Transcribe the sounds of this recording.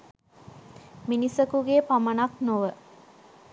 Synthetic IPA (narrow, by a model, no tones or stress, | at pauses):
minisəkuɡeːpamənaknoʋə